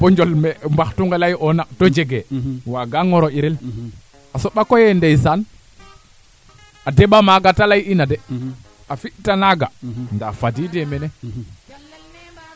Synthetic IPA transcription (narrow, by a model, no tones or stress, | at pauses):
pɔɲd͡ʒɔlmɛmbaxtuŋɡelajʔɔnatɔd͡ʒeɡɛwaɡaŋɔɾɔiɾɛl | asɔɓakɔjɛndejsan | adeɓamaɡatalajinadɛ | afiʔtanaɡandafadidemɛnɛ